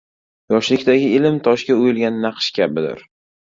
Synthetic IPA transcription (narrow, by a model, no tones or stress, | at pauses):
jɒʃlɪkʲt̪ʰaɡʲɪɪlɪmt̪ʰɒʃkʲaojɪlˠɡʲanːɑqʃkʲʰabɪd̪ɪ̰ɾ